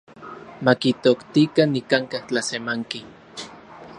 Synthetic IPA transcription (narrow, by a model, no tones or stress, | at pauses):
makit̪okt̪ikanːikaŋkaht͡ɬasemaŋki